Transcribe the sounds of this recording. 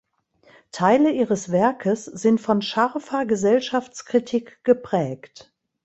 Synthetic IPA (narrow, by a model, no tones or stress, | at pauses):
tʰaɪləʔiːʁəsv̥ɛɐkʰəsz̥ɪntfɔnʃɛɐfɐɡəzɛlʃaft͡skʁ̥itʰikɡ̥əpʁ̥ɛːkt